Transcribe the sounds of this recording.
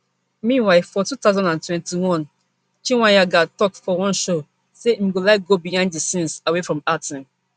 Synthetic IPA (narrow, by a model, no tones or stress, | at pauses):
mĩnwaɪfɔtutaʊzãndãntwɛ̃ntiwɔ̃n | t͡ʃĩwãjaɡatɔk̚fɔwɔ̃nʃo | seĩmɡolaɪk̚ɡobijãnddisĩnsawefɹɔ̃matʰĩn